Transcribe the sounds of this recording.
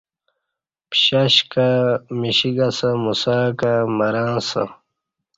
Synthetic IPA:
pɕɐɕkamiɕiɡasɐmusaːkamɐɾaːnsɐ̰

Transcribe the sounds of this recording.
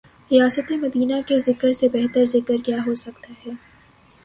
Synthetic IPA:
ɾijaːsət̪emɐd̪iːnakezɪkəɾsebɛɦt̪əɾzɪkəɾkjaɦosɐkt̪aɦɛː

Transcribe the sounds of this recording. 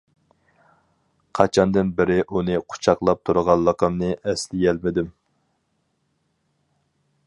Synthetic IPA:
qʰɑt͡ʃʰɑnd̪ɨnbɪɾɪʔunɨqʰʊ̥t͡ʃʰɑqlˠɑp̚t̪ʰuɾʁɑlˠːəqəmnɨʔɛslɪjɛlmɪd̪ɪm

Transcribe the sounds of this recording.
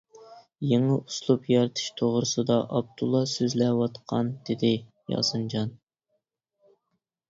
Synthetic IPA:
jeŋɨʔuslˠupjɑɾɨt̪ʰɨ̥ʃt̪ʰoʁɾɨsɨd̪ɑʔɑb̚d̪ulˠːɑsøzlɛwɑt̪qʰɑnd̪̥ɪd̪ɪ | jɑ̰sɨnd͡ʒɑn

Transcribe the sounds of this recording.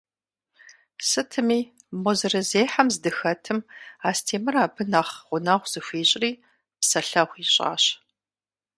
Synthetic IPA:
sɨtʰɨmiː | mɔzɨrɐzeːħamzdɨxɐtʰɨmaːstʰeːmɨraːbʰɨnaːχʁʷʊnaːʁʷz̥ɨxʷiːɕʼriː | psɐɬɐχʷiːɕʼa̰ːɕ

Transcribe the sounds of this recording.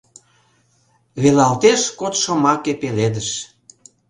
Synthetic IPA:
βelɑlt̪eʃkot̪ʃɤ̆mɑkepeled̪əʃ

